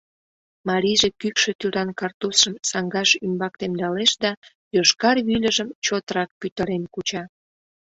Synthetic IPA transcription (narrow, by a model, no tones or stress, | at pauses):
mɑɾʲijʒekykʃet̪yɾɑnkɑrt̪usʃəmsɑŋɡɑʃymbɑk̚t̪emd̪ɑleʃd̪ɑ | joʃkɑrβylʲəʒəmt͡ɕot̪əɾɑk̚pyt̪əɾenkut͡ɕɑ